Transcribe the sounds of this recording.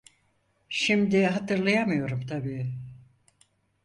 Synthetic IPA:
ʃimd̪iɦat̪ɯɾlˠajamɯjo̞ɾumt̪ʰabiː

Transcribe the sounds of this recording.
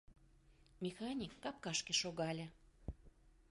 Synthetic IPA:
mʲexɑnʲikːɑp̚kɑʃkeʃoɣɑlʲĕ

